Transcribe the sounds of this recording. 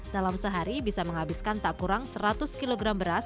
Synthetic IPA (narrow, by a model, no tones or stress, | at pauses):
d̥alamsəɦaɾibisaməŋɦabɪskant̪aʔkuɾaŋsəɾat̪ʊskiloɡɾambəɾas